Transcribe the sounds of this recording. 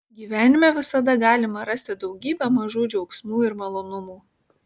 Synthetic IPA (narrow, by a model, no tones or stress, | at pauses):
ɡʲiːʋʲæːnʲɪmʲɛʋʲɪsɐd̪ɐɡɑːlʲɪmɐɾɐsʲt̪ʲɪd̪ɒʊɡʲiːbʲɛmɐʒuːd͡ʒʲɛʊksʲmuːɪɾmɐlˠoːnʊmuː